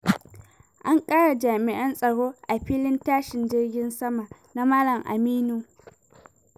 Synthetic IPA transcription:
ʔa˦ŋkʼaː˦ɽa˨d͡ʒaː˨mɪ˨ʔɐ˦nsʼɐ˨ɽoː˦ʔa˨ɸiː˦lɪ˦ntaː˦ʃɪ˨nd͡ʒɪ˦rɡʲɪ˦nsɐ˦ma˨na˦maː˦lɐ˨mʔa̰˨miː˦nu˨

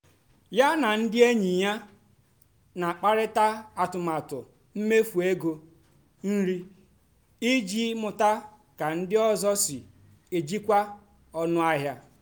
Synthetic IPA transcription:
ja˦na˨n̩˦dɪ˦e˦ɲi˨ja˦ | na˨k͡pa˦ɾɪ˦ta˦a˨tʊ˨ma˨tʊ˨ | m̩˦me˦fu˨e˦ɡo˦ | n̩˦ɾi˦ | i˦d͡ʒi˦mʊ˨ta˦ | ka˨n̩˦dɪ˦ɔ˦zɔ˦sɪ˨ | e˨d͡ʒi˦kʷa˦ | ɔ˦nʊ˦a˦ɦja˦

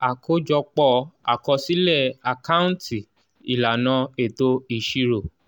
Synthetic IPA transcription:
a˨kʰo˦d͡ʒɔ˧k͡pɔ˧˨a̰˨kɔ˧si˦lɛ˦˨a˨ka˦ũ˦ti˨ | i˨la˨nã˧e˨to˦i˦˨ʃi˧ɾo˨

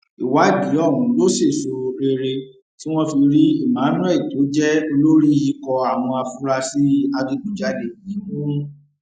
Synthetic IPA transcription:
i˨wa˨˦˨d͡ʒi˨˦ɔ˦˨ɦũ˨˦lo˦se˦˨so˨˧ɾe˧ɾe˧ | ti˦w̃ɔ̃˦fi˧ɾi˦i˦˨mãː˨˦nɔ̃˦˨i˨to˨˦d͡ʒɛ˦o˧lo˦ɾi˦ji˧kɔ˧a˨w̃ɔ̃˧a˧fu˦ɾa˧si˦a˧bi˧ɡ͡bu˦d͡ʒa˧de˨i˨˦mũ˦

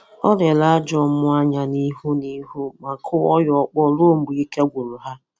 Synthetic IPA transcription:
ɔ˦le˨la˦d͡ʒɔ˦˨mʊ˦a˦ɲa˨ni˦ɦu˦ni˦ɦu˦ma˨kʰʊ˦ɔ˦jɔ˨˦k͡pɔ˦˨lo˦m̩˦bu˨i˦ke˦ɡʷu˨ɾʊ˨ɦa˦

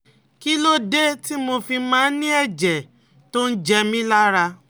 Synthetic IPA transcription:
ki˦lo˦de˦ti˦mo˧fi˧mãː˨˦nĩ˦ɛ˦˨d͡ʒɛ˨ | to˦n̩˦d͡ʒɛ˧mĩ˦la˦ɾa˧

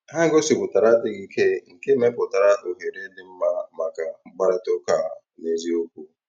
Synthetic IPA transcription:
hã˦ŋ˦ɡo˦si˨ɡu˨ta˨ɾa˦de˦ɡi˦kɛ˦ŋ̩˨ke˦mɛ̃˦ko˨ta˨ɾa˦to˨he˨ɾe˦dẽ˦m˦ma˨mã˨kã˨ba˦ɾa˦to˦kã˨ | ne˨d͡ʒi˦o˦ku˨

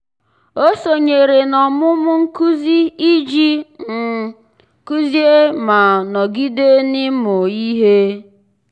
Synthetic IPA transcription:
o˦so˨ɲe˨ɾe˨nɔ˨mʊ˦mʊ˦ŋ̩˦ku˦zi˦i˦d͡ʒi˦m̩˨ | ku˦zje˦ma˨nɔ˨ɡi˦de˦nɪ˦mo˨i˦ɦe˦

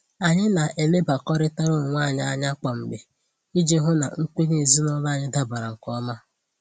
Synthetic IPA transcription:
a˨ɲɪ˦na˨ʔe˨le˦ba˨kɔ˦ɾɪ˦ta˦ɾʊ˦ʊ˨ŋʷaː˦˨ɲɪ˦a˦ɲa˦k͡pɔ˨m̩˨bɪ˨ | i˦d͡ʒe˦ɦʊ˦na̰˨ŋ̩˦k͡pe˦ni˦˨zi˦nɔ˦la˦˨ɲɪ˦da˦ba˨ɾa˨ŋ̩˨kɔ˦ma˦

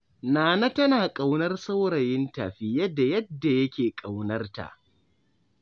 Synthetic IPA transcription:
naː˨na˦tɐ˦naː˨kʼa˨wnɐ˦rsa˦wɽɐ˨jɪ˦nta˨ɸɪ˦jɐ˦da˨jɐ˦dːa˨jɐ˦kʲeː˨kʼa˨wnɐ˦rta̰˨ʔ

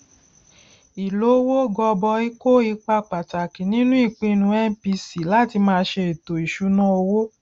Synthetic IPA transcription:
i˨lo˨˦wo˦ɡɔ˧bɔ˧i˦ko˦i˧k͡pa˧k͡pa˨ta˨ki˨nĩ˦nũ˦i˦˨k͡pĩ˧nũ˧˦ɛ˦n˦pi˧si˨la˦ti˧mãː˦˧˦ʃe˧e˨to˨i˨ʃu˨˦nã˦o˧wo˦

